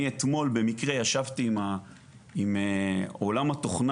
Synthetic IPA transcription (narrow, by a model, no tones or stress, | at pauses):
iet̪mo̞lbe̞mikʁejaʃavt̪iːma | imeo̞lamat̪oχn